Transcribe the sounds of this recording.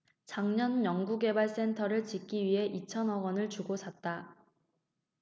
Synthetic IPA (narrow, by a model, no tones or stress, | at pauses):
t͡ɕaŋɲʌnjʌŋɡuɡe̞baɭs͈e̞ntʰʌɾɯɭt͡ɕik͈iɥiɦe̞ʔit͡ɕʰʌnʌɡʌnɯɭt͡ɕuɡosʰat̚t͈a